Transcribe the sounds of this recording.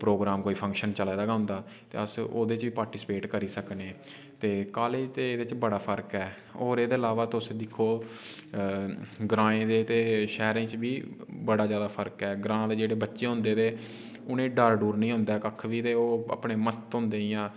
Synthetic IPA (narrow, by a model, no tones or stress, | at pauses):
pɾoːɡɾaːmkoːiːpʰə̃ŋkʃənt͡ʃəlaːd̪aːɡaɦʊ̃nd̪aːt̪ḛːəso̰ːd̪eːt͡ʃʋiːpaːɾʈiːspeːʈkəɾiːsəkneː | t̪eːkaːleːd͡ʒt̪eːd̪et͡ʃbəɽaːpʰəɾkɛː | oːɾeːd̪eːəlaːʋaːt̪ʊsẽːd̪ɪkʰːoː | ɡɾãːẽːd̪eːt̪eːʃɛːɾẽːt͡ʃbiːbəɽaːd͡ʒjaːd̪aːpʰəɾkɛːɡɾãːd̪eːd͡ʒeːɽeːbətːʃeːɦʊ̃nd̪eːd̪eː | ʊnẽːɖəɾɖuːɾnĩːɦʊ̃nd̪aːkəkʰʋiːt̪eːoːa̰pɳeːməst̪ɦʊ̃nd̪eːijãː